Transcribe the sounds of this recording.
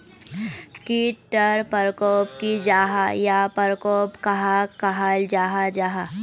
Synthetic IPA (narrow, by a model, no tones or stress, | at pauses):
kiʈəɾpəɾkoːpkid͡ʒaːɦajapəɾkoːpkaɦakaɦald͡ʒaːɦad͡ʒaːɦa